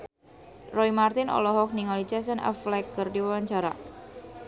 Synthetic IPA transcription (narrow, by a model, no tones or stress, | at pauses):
rɔimart̪ɪnɔ̰lɔɦɔk̚niŋalit͡ʃas̬ənʔa̰flɛkərdiwawaɲt͡ʃaɾa̰